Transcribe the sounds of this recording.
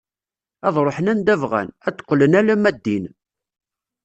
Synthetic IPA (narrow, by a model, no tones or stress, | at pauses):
æðˤɾˤoħənænd̪ævʁæ̰næt͡s̪ːə̥qːlənælæmæd̪ːin